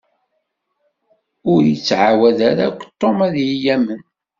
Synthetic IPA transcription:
ʊɾjit͡sːʕawæðæɾakʷːt̪ˤːomæðjijæmən

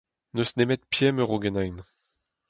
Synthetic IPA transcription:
nøsnemɛt̪̚pjɛmœʁoɡɛnajn

